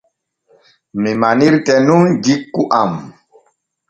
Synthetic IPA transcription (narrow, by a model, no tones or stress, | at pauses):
mimaniɾtɛnund͡ʒikːuʔam